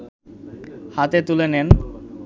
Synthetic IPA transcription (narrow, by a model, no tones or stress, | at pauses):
hat̪et̪ulenen